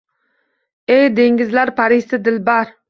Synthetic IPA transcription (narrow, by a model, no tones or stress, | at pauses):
ejd̪eŋɡʲizlæɾpʰɑɾist̪ɪd̪ɪlbɑɾ